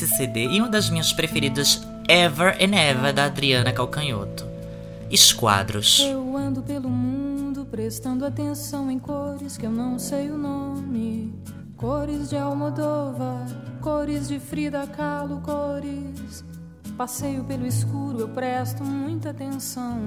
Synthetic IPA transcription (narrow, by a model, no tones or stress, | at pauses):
sesed̪eiũd̪ɐzmĩɲɐspɾefeɾid̪ʊz | ɛvɐɾʔẽɛvɐd̪ɐad̪ɾiɐ̃nɐkawkɐ̃ɲo̰t̪ʊ̥ | ɪskwa̰d̪ɾʊ̰sewɐ̃nd̪ʊpelʊmũd̪ʊpɾest̪ɐ̃nd̪ʊat̪ẽsɐ̃w̃ẽj̃koɾɪskɪewnɐ̃w̃sejʊnõmɪ | koɾɪzd͡ʒɪawmod̪ovɐkoɾɪzd͡ʒɪfɾid̪ɐkalʊkoɾɪs | pasejʊpelʊɪskuɾʊewpɾɛst̪ʊmũj̃t̪ɐat̪ẽsɐ̃w̃